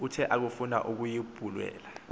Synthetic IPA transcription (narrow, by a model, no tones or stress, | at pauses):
utʰɛʔak̬ufuna̰ʔuk̬ujib̥ʱulwɛ̰ːla